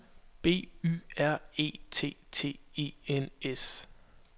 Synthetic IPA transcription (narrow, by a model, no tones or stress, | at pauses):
b̥e̝̰ːy̰ːæɐ̰e̝̰ːt͡sʰe̝̰ːt͡sʰe̝̰ːe̝̰ːenes